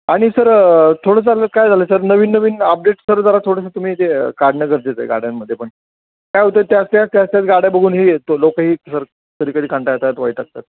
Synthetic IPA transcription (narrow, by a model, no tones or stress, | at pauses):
aɽ̃isəɾt̪ʰoɽət͡s̬aləkajd͡zʱaləsəɾnəʋiːnːəʋiːnəp̚ɖeʈsəɾd͡zəɾat̪ʰoɽəsət̪um̤iːt̪ekaɾɽnəɡəɾd͡zet͡sə̰jɡa̰ɽ̤janməd̪ʱjepəɳ | kajɦot̪ət̪jast̪jat͡st̪jat͡st̪jat͡sɡaɽ̤jabəɡʱuːnɦiːt̪lokəɦiːsəɾ | k̪əd̪iːkəd̪iːkãɳʈajet̪at̪ʋait̪ak̚t̪at̪̚